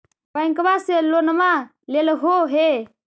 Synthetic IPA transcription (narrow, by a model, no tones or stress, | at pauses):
paiŋkəbaːselonəma | leləɦoɦe